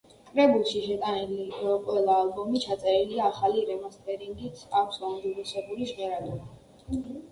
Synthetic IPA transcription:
kʼɾɛbulˠʃiʃɛt̪ʼaniliqʼwɛlˠaːlˠbɔmit͡ʃʰat̪sʼɛɾiliaːχaliɾɛmast̪ʰʼɛɾiŋɡit̪ʰakʷʰsaund̪iɾusɛbuliʃvɛɾad̪ɔɾa

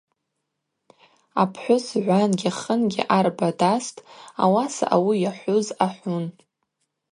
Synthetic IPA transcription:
apʰħʷᶣʊsʕʷanɡʲaχənɡʲɪ̰ʔarbadastʼa̰wasa̰ʔawijaħʷʊzaħʷʊn

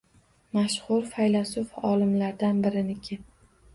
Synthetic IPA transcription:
maʃχʊɾfajlasʊfɒlɪmlaɾd̪anbɪɾɪnɪkʲʰɪ

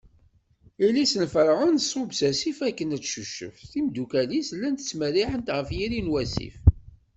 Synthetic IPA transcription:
ilisənfəɾˤʁənsˤʊbsæsifækːənæt͡sːʃuʃə̰fθimd̪ukælislːænt̪ə̥t͡sːməɾiħənt̪ʁəfjiɾinwæsḭf

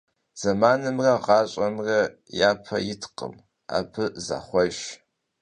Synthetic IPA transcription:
z̥ɐmaːnɨmrɐʁɑːɕʼɐmrɐ | jaːpʰɐ̰jɪtʰqə̰m | a̰ːpʰɨza̰ːχʷɔʒ

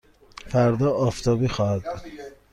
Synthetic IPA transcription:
fæɾd̪ɒːɒːft̪ʰɒːbiːxɒːhæd̪̚ud̪̥

